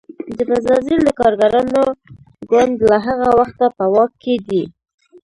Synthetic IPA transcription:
d̪əbazɑzild̪əkɑɾɡaɾɑno | ɡwand̪laɦaɣawaxt̪apəwɑkːed̪i

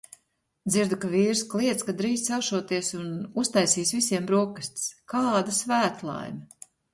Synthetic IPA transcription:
d̪ziɾd̪ukaviːɾsklˠiɛt̪skad̪ɾiːssawʃuɔt̪iɛsunust̪ajsiːsvisiɛmbɾuɔkɨsʲt̪skaːd̪asvæːt̪lˠa̰jmʲɐ

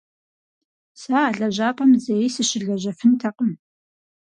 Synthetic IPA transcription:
saːɮɐʑaːpʰʼɐmzɐjisɨɕɪɮɐʑɐfɨntʰɐqəm

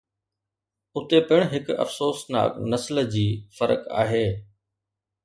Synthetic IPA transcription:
ʊt̪epɪɽ̃ɦɪkɐ̰fsoːsna̰ːknɐsld͡ʑiːfɐɾə̰ka̰ːɦeː

